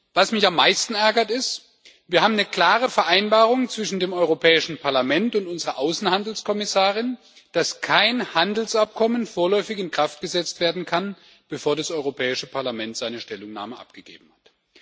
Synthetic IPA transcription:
vasmɪçamːaɪstn̩ʔɛɐɡɐtɪst | viːɐɦaːbm̩nəkl̥aːʁ̞əfɛɐʔaɪnbaːʁʊŋt͡sv̥ɪʃn̩deːmʔɔʏʁopʰɛːɪʃn̩pʰaɐlamɛntʊntʊnzəʁɐʔaʊsn̩handl̩skʰɔmɪsaːʁ̞ɪn | d̥askʰaɪnhandl̩sʔap̚kʰɔmənfoːɐlɔʏfɪçɪnkʁ̥aft̚ɡ̥əzɛt͡stv̥eːɐdn̩kʰan | b̥əfoːɐdasʔɔʏʁopʰɛːɪʃəpʰaɐlamɛntz̥aɪnəʃtɛlʊŋna̰ːməʔa̰p̚ɡ̥əɡ̥ḛːbm̩hat

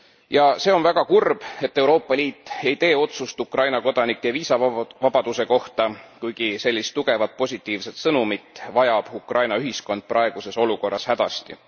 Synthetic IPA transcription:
jɑse̞ːo̞nvæɡ̥ɑkurb̥e̞t̪ːe̞wɾo̞ːpːˑɑlʲiːt̪ːˑe̞jt̪e̞ːo̞t̪sust̪ukrɑjnɑko̞d̪̥ɑnikːˑeviːsɑvɑb̥ɑd̪̥use̞ko̞ht̪ɑkujɡ̥ise̞lʲːist̪ːuɡ̥e̞vɑt̪̚po̞sʲit̪ːˑiːvse̞t̪sɤnumit̪ːˑvɑjɑb̥ukrʔɑjnɑyɦisko̞nd̪̥̚prɑe̞ɡ̥use̞so̞luko̞rːɑshæd̪̥ɑ̰st̪ḭ

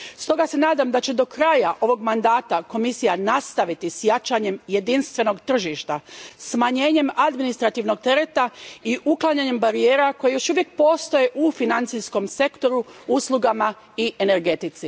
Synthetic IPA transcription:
st̪o̞ɡase̞naːd̪amd̪at͡ɕe̞d̪o̞kɾaːjaʔo̞ʋo̞ɡmand̪aːt̪ako̞misijanast̪aʋit̪isjat͡ʃaɲe̞mje̞d̪inst̪ʋe̞no̞ɡt̪r̩ʒiʃt̪asmaɲe̞ːɲe̞mad̪minist̪ɾat̪iʋno̞ɡ̚t̪e̞ɾe̞t̪aiʔuklˠaɲaɲe̞mbaɾije̞ːɾako̞jejo̞ʃuʋjek̚po̞ːst̪o̞je̞ʔufinant̪sisko̞mse̞kt̪o̞ɾuuslˠuɡama | iʔe̞ne̞ɾɡe̞t̪it̪si

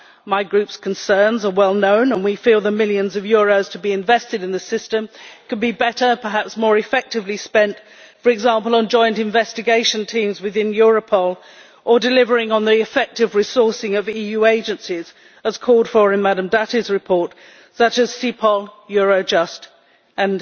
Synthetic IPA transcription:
maɪɡɹʉpskʰn̩sɜ̃˞nzə˞wɛlˠnõʊ̃nə̃nwifilˠðəmɪlˠjɨ̃nzʌvjɔɹoʊz̥tʰəbiɨ̃ɱvɛstɨɾɨ̃nðɨsɪstɨ̃mkʰɨd̚bibɛɾə˞pʰə˞ɦæpsmɔɹɨfɛk̚tɨvlispɛ̃nt | fə˞ɨɡzɑ̃mplˠə̃nd͡ʒɔ̃ɪ̃ntɨ̃ɱvɛstɨɡeɪʃɨ̃ntʰĩmzwɨðɪ̃njɔɹəpʰɔlˠ | ʔə˞dɨlɪvə˞ɪ̃ŋə̃nðiɨfɛk̚tɨvɹɪsɔɹsɪ̃ŋʌvijʉeɪd͡ʒɨ̃nsiz | əz̥kʰɔlˠd̥fə˞ɨ̃nmæɾɨ̃mdæɾɨzɹɨpʰɔɹt | sʌt͡ʃɨz̥sipʰɔlˠjɔɹoʊd͡ʒʌst | ʔɨ̃n

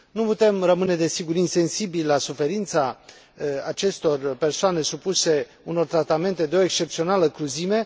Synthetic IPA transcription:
nuput̪e̞mrəmɨne̞d̪e̞siɡuɾinse̞nsibillasufe̞ɾint̪sa | at͡ʃe̞st̪o̞rpe̞rsoane̞supuse̞ | uno̞rt̪ɾat̪ame̞nt̪e̞d̪eo̞ekst͡ʃe̞pt̪sio̞naləkɾuzime̞

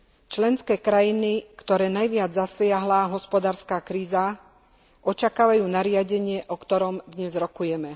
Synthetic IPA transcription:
t͡ʃlɛnskɛːkɾajinikt̪ɔɾɛːnajʋɪad͡zzaslɪaɦlaɦɔspɔd̪aːɾskaːkɾiːza | ʔɔt͡ʃakaːʋajuːnaɾɪaɟɛɲɪɛʔɔkt̪ɔɾɔmd̪ɲɛzɾɔkujɛmɛ

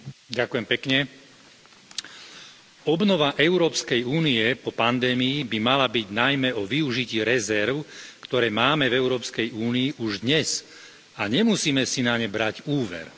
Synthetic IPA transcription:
ɟakujɛmpɛkɲɛ | ɔbnɔʋaʔɛʊɾɔːpskɛjuːniɛpɔpand̪ɛːmiibimalabiɟnajmɛɔʋiuʒiciːɾɛzɛɾʊkt̪ɔɾɛːmaːmɛvɛʊɾɔːpskɛjuːniːʔuʒd̪ɲɛs | aɲɛmusiːmɛsinaɲɛbɾaɟuːʋɛ̰ɾ

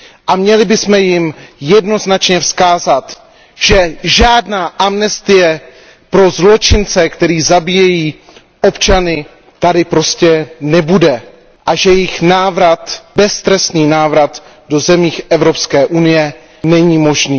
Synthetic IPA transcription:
ʔamɲɛlɪbɪsmɛjɪmjɛdno̞znat͡ʃɲɛfskaːzat̪ | ʒ̥ɛʒaːdnaːʔamnɛst̪ɪjɛ | pɾo̞zlo̞t͡ʃɪnt͡sɛkt̪ɛɾiːzabijɛjiː | ʔo̞pt͡ʃanɪ | t̪adɪpɾo̞scɛnɛbudɛ | ʔaʒɛjɪxnaːvɾat̪bɛst̪ɾɛsniːnaːvɾat̪ | do̞zɛmiːxʔɛvɾo̞pskɛːʔunɪjɛ | nɛɲiːmo̞ʒniː

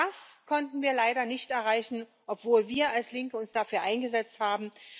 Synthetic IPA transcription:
askʰɔntn̩viːɐlaɪɾɐnɪçtʔɛɐʁaɪçn̩ | ʔɔpv̥oːlviːɐalslɪŋkəʊnsd̥afyːɐʔaɪnɡəzɛt͡sthaːbm̩

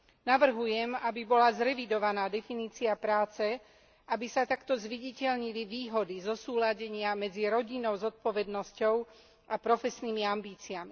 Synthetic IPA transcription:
naʋr̩ɦujɛmabibɔlazɾɛʋid̪ɔʋanaːd̪ɛfiniːt͡siapɾaːt͡sɛ | abisat̪akt̪ɔzʋiɟicɛʎɲiliʋiːɦɔd̪izɔsuːlaɟɛɲɪamɛd͡ziɾɔɟinɔʊzɔt̪̚pɔʋɛd̪nɔscɔʊ | ʔapɾɔfɛsniːmiambiːt͡siami

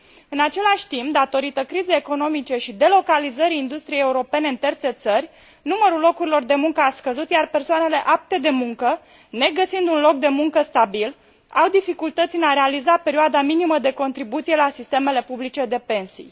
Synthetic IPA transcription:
ɨnat͡ʃe̞laʃʲt̪impd̪at̪o̞ɾit̪əkɾizejeko̞no̞mit͡ʃe̞ʃid̪e̞lo̞kalizəɾiind̪ust̪ɾijeːeuɾo̞pe̞ne̞ɨnt̪ert̪se̞t̪sərʲ | numəɾulːo̞kuɾilo̞rd̪e̞muŋkəaskəzut̪jarpe̞rsoane̞le̞ʔap̚t̪e̞d̪e̞muŋkə | ne̞ɡəsind̪unlo̞k̚d̪e̞muŋkəst̪abil | awd̪ifikult̪ət̪sʲineaɾe̞alizape̞ɾioad̪aminiməd̪e̞ko̞nt̪ɾibut̪sije̞lasist̪e̞me̞le̞publit͡ʃe̞d̪e̞pe̞nsḭj

